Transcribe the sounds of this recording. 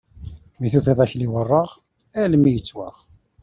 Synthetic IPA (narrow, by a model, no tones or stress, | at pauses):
miθufiðˤæçliwərˤːəʁ | ælmːijət͡sːwaʁ